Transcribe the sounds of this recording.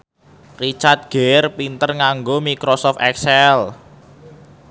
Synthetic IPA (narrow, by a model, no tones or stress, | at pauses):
rit͡ʃart̪̚ɡ̥erpint̪ərŋaŋɡomikɾosɔft̪ɛksɛl